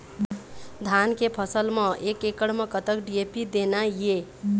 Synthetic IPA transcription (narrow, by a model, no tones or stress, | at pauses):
d̪ʱankepʰəsəlməekekəɽmẽkət̪əkɖiepid̪enaje